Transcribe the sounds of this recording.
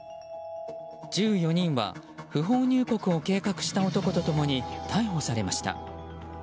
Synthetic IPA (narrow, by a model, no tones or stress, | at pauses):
d͡ʑɨːjo̞ɲ̟ĩɰ̃βa̰ | ɸɯ̟ɦo̞ːɲ̟ɨːko̞kɯ̟o̞ke̞ːkakɯ̟̥ɕi̥t̪aot̪o̞ko̞t̪o̞t̪o̞mo̞ɲ̟it̪ʰaiɦo̞saɾe̞maɕi̥t̪a̰